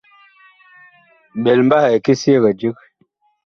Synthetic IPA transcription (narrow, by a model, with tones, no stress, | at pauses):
ɓɛ˨lm̩˦ba˦hɛ˨ki˦se˦˨ɣə˨d͡ʒə˦k̚